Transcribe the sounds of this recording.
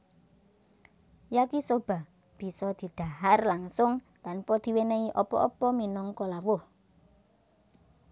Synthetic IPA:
jakisob̥a̤ | b̥i̤sɔd̪̥i̤d̪̥a̤harlaŋsʊŋt̪anpɔd̪̥i̤weneiʔɔpɔ̰ʔɔpɔminɔŋkolawʊh

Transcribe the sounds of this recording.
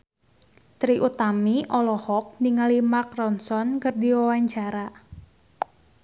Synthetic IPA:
t̪ɾiʔut̪amiʔɔlɔhɔk̚niŋalimarkrɔnsɔnkɨrdiwawaɲt͡ʃaɾa

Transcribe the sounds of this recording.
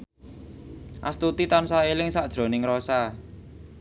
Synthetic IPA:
ʔa̰st̪ut̪it̪ansaelɪŋsaʔd̥ʒ̥ɾo̤nɪŋɾosa

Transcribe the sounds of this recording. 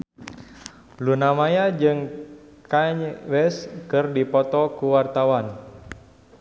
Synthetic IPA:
lunamajad͡ʒɨŋkaɲwɛskɨrdipɔt̪ɔkuwart̪awan

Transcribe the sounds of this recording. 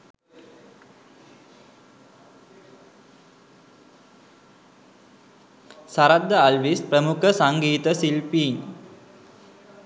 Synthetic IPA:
saɾad̪ːəalʋispɾəmukʰəsaŋɡiːt̪əsilpiːŋ

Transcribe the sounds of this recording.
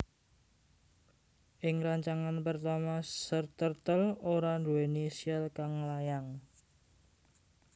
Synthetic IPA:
ʔɪŋraɲt͡ʃaŋanpərt̪amasərt̪ərt̪əloɾaɳdoenesiəlkaŋlajaŋ

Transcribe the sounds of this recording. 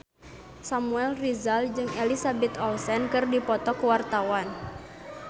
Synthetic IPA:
samuɛlrizald͡ʒɨŋelisabɛt̪ɔlsɛnkɨrdipɔt̪ɔkəwart̪awan

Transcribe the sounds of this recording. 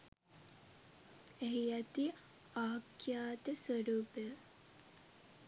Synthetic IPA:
eɦiæt̪i | aːkjaːt̪əsʋəɾuːpə

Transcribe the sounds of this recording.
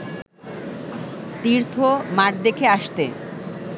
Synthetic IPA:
t̪iɾt̪ʰomaʈd̪ekʰeaʃt̪e

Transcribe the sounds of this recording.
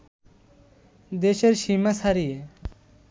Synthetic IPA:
d̪eɕeɾɕimasaɾije

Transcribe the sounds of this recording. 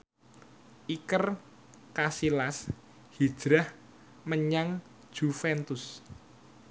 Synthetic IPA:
ʔikər | kasilas | hid̥ʒ̥ɾah | məɲaŋ | d̥ʒ̥ufɛnt̪ʊs

